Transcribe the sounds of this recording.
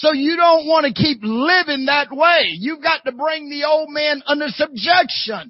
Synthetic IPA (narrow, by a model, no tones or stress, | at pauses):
soʊjɨɾõʊ̃nʔ̚wɑ̃ñɨkʰip̚lɪvɪ̃ŋðɨt̚weɪjɨvɡɑtɨbɹɪ̃ŋðioʊlˠd̚mæ̃nʌ̃ndə˞sɨb̚d͡ʒɛkʃə̃n